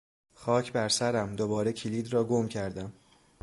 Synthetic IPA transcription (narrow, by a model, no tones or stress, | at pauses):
xɒːcʰbæɾsæɾæmd̪obɒːɾe̞cʰiliːd̪rɒːɡomcʰæɾd̪æm